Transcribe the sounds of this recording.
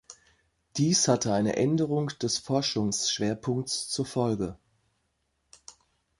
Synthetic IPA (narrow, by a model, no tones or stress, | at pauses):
d̥iːshatʰəaɪnə̰ʔɛndəʁ̞ʊŋd̥ɛsfɔɐʃʊŋsʃv̥eːɐpʰʊŋk̚t͡st͡suːɐfɔlɡə